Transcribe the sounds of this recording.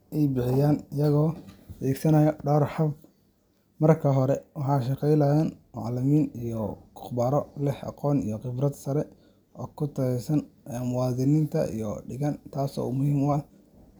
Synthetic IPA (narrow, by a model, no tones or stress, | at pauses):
ʔɛjbɪħɪjaːnɪjɐɣɔːd̪ɛːɡsɐnɐjɔɖɔːrħɑb | mɐrkʰɐɦɔɾɛwɑħɑːʃ̬ɑqɛjlɐjaːnmɑ̰ʕlɐmiːnijɔkʰʊ̥χbaːɾɔlɪħɑ̰qɔːnijɔqɪbrɐd̪sɐɾɛ | ʔɔːkʰʊt̪ʰɐɛjsɐnɛmʊwɑːðɪnɪnt̪ʰɐ̰ʔḭjɔɖɪɣɐnt̪ʰaːsɔ̰ːumʊhiːmʊ